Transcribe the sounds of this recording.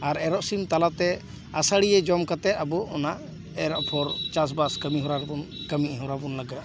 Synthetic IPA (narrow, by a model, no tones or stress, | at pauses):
aɾɛɾɔʔsimt̪alat̪ɛ | asaɽijɛd͡ʒɔmkat̪ɛt̪abɔɔnaʔ | ɛɾɔʔpʰɔɾt͡ʃas̬baskəmiɦɔɾaɾbɔnkəmiɦɔɾabɔnləɡat̪̚